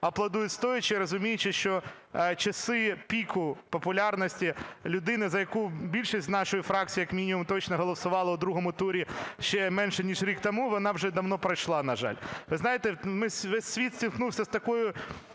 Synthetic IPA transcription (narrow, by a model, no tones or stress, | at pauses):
ɐplˠɐd̪ujʊtʲst̪ɔjʊt͡ʃɪɾɔzʊmʲijɪt͡ʃɪʃt͡ʃɔ | t͡ʃɐsɪpʲikʊpɔpʊlʲɑrnɔsʲtʲilʲʊd̪ɪnɪzɐjɐkubʲilʲʃisʲt̪ʲnɑʃɔjifɾɑk̚t͡sʲijɐkmʲinʲimumt̪ɔt͡ʃnɐɦɔlˠɔsʊʋɑlˠɐʊd̪ɾuɦɔmʊt̪uɾʲiʃt͡ʃɛmɛnʃɛnʲiʒɾʲikt̪ɔmuʋɔnɑwʒɛd̪ɐʋnɔpɾɐjʃlˠɑnɐʒɑ̰lʲʋɪznɑjet̪ɛmɪsʲʋɛsːʲʋʲit̪sʲtʲilˠknuwsʲɐst̪ɐkɔjʊ